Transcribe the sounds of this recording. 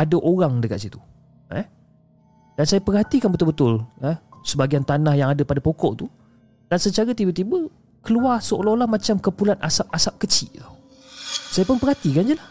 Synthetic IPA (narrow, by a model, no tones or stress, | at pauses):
adaʔoɾaŋdəka̰t̪sit̪u | ə̰h | dansajapərhat̪ikanbət̪ʊlbət̪ʊləhsəbaɡiant̪anahjaŋadapadapokɔʔt̪u | d̥ansət͡ʃaɾat̪ibət̪ibə | kəluarsəolɔolahmat͡ʃamkəpulanasap̚asap̚kət͡ʃiʔt̪aw | sajapʊnpərɦat̪ikand͡ʒəlah